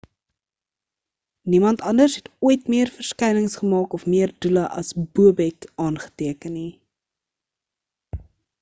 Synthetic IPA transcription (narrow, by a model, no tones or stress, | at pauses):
nimɐntɐndərsɦɛtuəjtmiərfərskɛjnəŋsχəmɑːkɔfmiərduləʔɐ̰sbuəbɛkɑːnχə̥tiəkənːi